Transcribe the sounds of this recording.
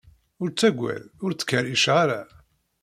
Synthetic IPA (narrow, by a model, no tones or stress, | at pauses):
ʊɾt͡sːæɡʷːæ̰lʊɾt͡sːə̥kːəɾiʃʁaɾa